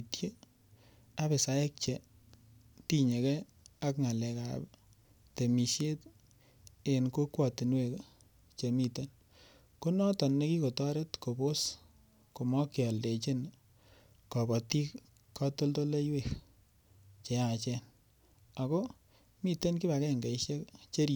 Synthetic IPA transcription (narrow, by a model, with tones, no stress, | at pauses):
tje˦ | a˦be˨sa˨e˦k̚t͡ʃe˨ | ti˦ɲe˨ke˦ | a˦kŋa˨lɛ˨ka̰˨b | te˨mi˨ʃje˦t | e˨nko˦kwɔ˨ti˨nwe˨k | t͡ʃe˨mi˨te˦n | ko˦nɔ˦tɔ˨nːe˦ki˦ko˨tɔ˦ɾe˦tko˨bo˦s | ko˨mɔ˦kɪ˨ɔ˨lde˨t͡ʃe˦n | kɔ˨bɔ˨ti˦k | kʰːɔ˦to˦lto˦le˦jwe˦k | t͡ʃe˨a˨t͡ʃɛ˦n | a˨ko˦ | mi˦te˦nki˦ba˨kɛ˦˨ŋɡe˨iʃe˦kt͡ʃe˦ɾi˨